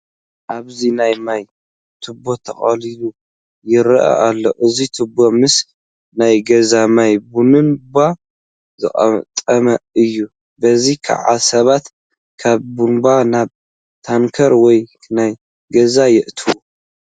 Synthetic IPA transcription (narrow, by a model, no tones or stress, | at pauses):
ʔaβzinajmaj | t̪ʰɨbot̪ʰɐχʼɐliju | jɪɾɐʔa̰ʔalːo̰ʔɨzit̪ʰɨbːomɨs | najɡɐzamajbunɨnba | zɨχʼɐ̰mt̪ʼɐmɐɨjːu | bɐzikʰa̰ʕa̰sɐβat̪ | kʰaβbunbanaβ | t̪ʰaŋkʰɐɾwɔj | naj | ɡɐzajɪʔt̪ʰɨwu